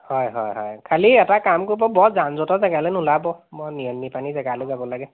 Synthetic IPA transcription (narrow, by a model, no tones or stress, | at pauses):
hɔjɦɔjɦɔ̰jkʰaliɛtakamkoɹbɔbɔtzanzɔtɔzɛɡalɛnulabɔmɔnijɔmːipanizɛɡalɔzabɔlaɡɛ